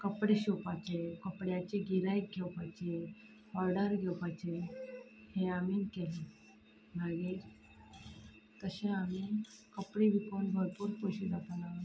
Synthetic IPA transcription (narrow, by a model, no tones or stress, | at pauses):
kəpɽeɕopat͡ɕekəpɽjat͡ɕeɡiɾajɡʱewpat͡ɕe | ɔɾɖəɾɡʱewpat͡ɕe | hẽamiːnkele | mʱaɡeɾ | t̪əɕẽamikəpɽeʋikonbʱəɾpuːɾpəɕid͡zat̪anaə